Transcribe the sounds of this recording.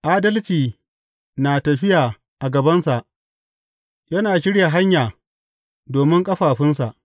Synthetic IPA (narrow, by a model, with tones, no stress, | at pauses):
ʔaː˦dɐ˦lt͡ʃiː˨ | naː˨tɐ˨ɸɪ˦jaː˨ | ʔa˨ɡɐ˨bɐ˦nsa˨ʔ | jɐ˦naː˨ʃ̬ɪ˦ɽja˨ɦa˦ɲjaː˨ | doː˨mɪ˦ŋkʼɐ˦ɸaː˨ɸɪ˦ns̬a˨ʔ